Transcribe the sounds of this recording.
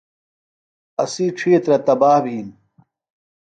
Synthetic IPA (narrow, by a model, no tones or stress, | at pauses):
ɐsiːʈ͡ʂʰiːt̪ɾɐt̪ɐbaːhbʱiːn